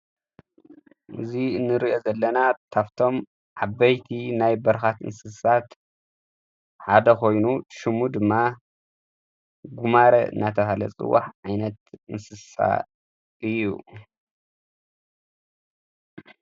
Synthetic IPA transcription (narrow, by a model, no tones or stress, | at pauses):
ʔɨ̰zinɨɾio̞zɐlːɐnat̪ʰaft̪ʰo̞m | ʕabɐjt̪ʰinajbɐɾxat̪ɨ̰nsɨsat̪ | ħad̪ɐkʰo̞jnuʃɨmud̪ɨmːa | ɡumaɾɐɨ̰nːat̪ʰɐhalɐ̰t͡sʼɨ̰wːa̰ħʕajnɐt̪ɨnsɨssa̰ | ɨjːṵ